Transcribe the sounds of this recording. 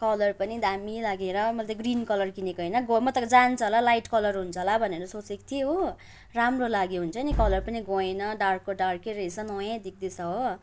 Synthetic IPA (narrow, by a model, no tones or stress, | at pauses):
kʌlʌrpʌnid̪amilaɡeɾʌmʌlat̪ʌɡrinkʌlʌrkinekʌjnʌɡomʌt̪ʌkd͡zant͡sʰʌɦlalajʈkʌlʌrɦunt͡sʰʌɦlabʱʌneɾʌsot͡sekt̪ʰio | ramrolaɡiɦunt͡sʰʌnikʌlʌrpʌniɡoenʌɖarkːoɖarkeɾʌjsʌnʌjãd̪ik̚ʰd̪isʌɦo